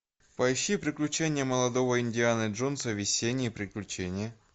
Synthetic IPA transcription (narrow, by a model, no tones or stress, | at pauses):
pɐɪɕːipɾʲɪklʲʉt͡ɕenʲɪjəməlˠɐd̪ovəɪnʲdʲɪanəʐonsəvʲɪsʲenʲːɪjːpɾʲɪklʲʉt͡ɕenʲɪjə